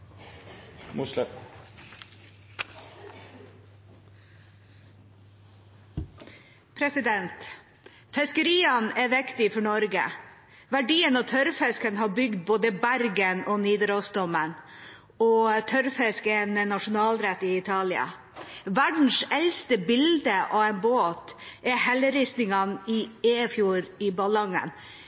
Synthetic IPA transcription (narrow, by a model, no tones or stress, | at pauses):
mʊ | pʰɾɛsɪd̪ɛnt̪ | pʰɛskəɾiːɑnæːʋɪkt̪ɪfɔɳɔɾɡə̰ | ʋæɖiːənoːt̪ʰœɾfɛskənhɑːbʏɡd̪̚boːd̪əbæɾɡənɔniːd̪ɾɔst̪ɔmən | ɔt̪ʰœɾfɛskəɛnənɑʂʊnɑːlɾɛt̪ɪɪt̪ʰɑːlɪɑ̰ | ʋæɖɳ̩sɛlst̪əbɪld̪əʔɑːʋɛnboːt̪ʔɛhɛləɾisnɪŋɑniːeːfjuːɾɪːbɑlɑŋə̰n